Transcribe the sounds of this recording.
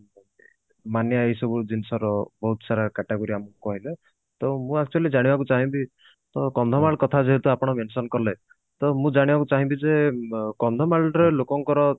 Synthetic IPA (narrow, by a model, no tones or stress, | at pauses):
manjaejsɔbud̪inisɔɾɔbɔɦut̪ɔsaɾakaʈeɡoɾiamukɔɦile | t̪ɔmũak̚t͡ʃualid͡ʒaɽ̃ibakut͡ʃaɦĩbi | t̪ɔkɔnd̪ʱɔmaɭkɔt̪ʰad͡ʒeɦet̪uapɔɽ̃ɔmensɔnkɔɾle | t̪ɔmũd͡ʒaɽ̃ibakut͡ʃaɦĩbid͡ʒekɔnd̪ʱɔmaɭɾelokɔŋkɔɾɔ